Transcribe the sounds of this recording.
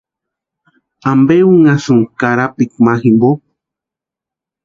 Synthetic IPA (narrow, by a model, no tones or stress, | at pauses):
ambeuŋasuŋkaɾapikmaximbo